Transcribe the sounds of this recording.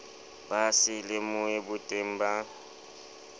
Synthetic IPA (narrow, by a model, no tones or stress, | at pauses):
basɪlɪmʊebʊtʼem̩ba